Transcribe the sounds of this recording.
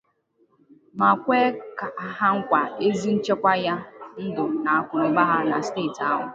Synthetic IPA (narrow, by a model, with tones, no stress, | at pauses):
ma˨kʷe˦ka˨˦ɦa˦ŋ̩˦kʷa˨e˦zi˦n̩˦t͡ʃe˦kʷa˦ja˦n̩˦dʊ˨na˨a˦kʷʊ˨ɾʊ˦ba˦ɦa˦na˨steː˦˨ta˦ɦʊ˨